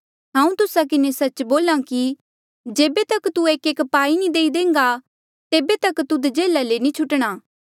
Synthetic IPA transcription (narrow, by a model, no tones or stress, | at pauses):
ɦãːũt̪ʊsak̬ɪnesɐt͡ʃboːlãki | d͡ʒeːbet̪ɐkt̪ueːkeːkpaːinĩd̪eːid̪ẽːŋɡa | t̪eːbet̪ɐkt̪ud̪d͡ʒeːlalenĩt͡ʃʰʊʈɽ̃aː